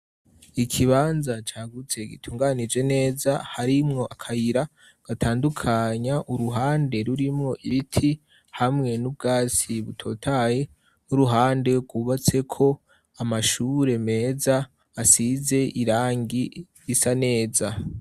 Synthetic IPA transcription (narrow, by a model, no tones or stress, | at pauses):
ikʰiβaːnzat͡ʃaːɡut͡se̞ɡḭtʰuːŋɡanid͡ʒe̞ne̞ːzahaɾimŋo̞ʔakʰajiɾa | ɡ̥atʰaːndukʰaɲaʔuɾuɦaːnde̞ɾuɾimŋo̞ʔiβitʰi | hamŋe̞nub̚ɡaːt͡siβutʰo̞ːtʰaje̞ | nuɾuɦaːnde̞ɡuːβat͡se̞kʰo̞ | amaʃuɾe̞me̞ːzaː | size̞ʔiɾaːŋɡi | isane̞ːza